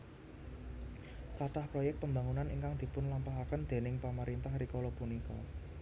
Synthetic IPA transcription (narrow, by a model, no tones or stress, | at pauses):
kaʈahpɾɔjɛk̚t̪̚pəmba̤ŋunaniŋkaŋd̪̥i̤pʊnlampaɦakənd̪̥e̤nɪŋpaməɾint̪ahɾikɔlopunikɔ